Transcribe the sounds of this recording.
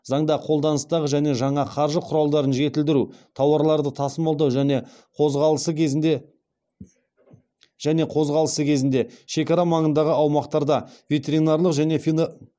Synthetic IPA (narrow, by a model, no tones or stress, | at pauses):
zɑɴd̪ɑqʰo̞lˠd̪ɑnəst̪ɑʁəʒæne̞ʒɑɴɑqʰɑɾʒəqʰʊɾɑlˠd̪ɑɾənʒe̞t̪ɪld̪ɪɾut̪ʰɑwɑɾlˠɑɾd̪ət̪ʰɑsəmɑlˠd̪ɑwʒæne̞ | qʰoʁɑlˠəsəkʲʰe | ʒ̥æne̞qʰo̞zʁɑlˠəsəkʲʰe̞zɪnd̪e̞ʃe̞kɑɾɑmɑɴənd̪ɑʁəɑwmɑqt̪ɑɾd̪ɑve̞t̪e̞ɾinɑɾlˠəqʒæne̞fi